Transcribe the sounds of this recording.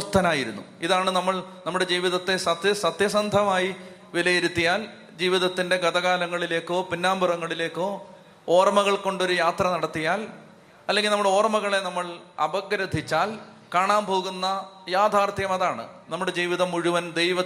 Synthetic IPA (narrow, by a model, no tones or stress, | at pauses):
ɐst̪ʰɐnaːjiɾunːṵiðaːɳɨnɐmːɐɭnɐmːuɽe̞d͡ʑiːʋiðɐt̪ːe̞sɐt̪jɐsɐt̪jɐsɐnd̪ʱɐmaːji | ʋilɐjeɾut̪ːijaːl | d͡ʑiːʋiðɐt̪ːinde̞ɡɐd̪ɐɣaːlɐŋːɐɭile̞ːkːo̞ːpinːaːmburɐŋːɐɭile̞ːkːoː | oːrmɐɣɐɭko̞ɳɖo̞ɾujaːt̪rɐnɐɽɐt̪ːijaːl | ɐlːeŋɡilnɐmːuɽeo̞ːrmɐɣɐɭe̞nɐmːɐɭɐbɐɡɾɐd̪ʱit͡ɕːaːl | kaːɳaːmpo̞ːɣunːɐjaːd̪ʱaːrt̪jɐmɐðaːɳɨ̰ | nɐmːuɽe̞d͡ʑiːʋiðɐmuɻuʋɐnd̪ejʋɐ